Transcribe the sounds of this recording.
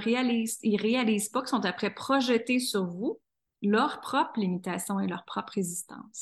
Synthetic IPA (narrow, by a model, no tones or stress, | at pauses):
ʁealiːziʁealiːzpɔkʲi̥sɔ̃t̪apχɛpχɔʒət̪esyʁvu | lœʁpχɔpχlimit̪aːsjɔ̃elœʁpχɔpʁezist̪ɑ̰̃s